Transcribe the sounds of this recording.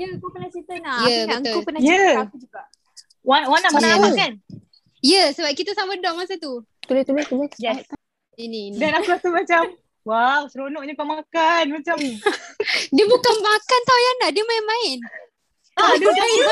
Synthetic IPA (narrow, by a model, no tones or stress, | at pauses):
jəəŋkupənasit̪ənajəbəokupənajəkud͡ʒuɡaʔ | wanwanaamakan | jəsəbap̚kit̪əsamədɔʔmasat̪̬u | t̪ulɪht̪ulɪt̪ulɪjɛ | inindanakuat̪umat͡ʃam | waŋsəɾonɔʔɲakamakanmat͡ʃam | diəbukanmakant̪awjanahdiəmaɪnmãɪn | adɪ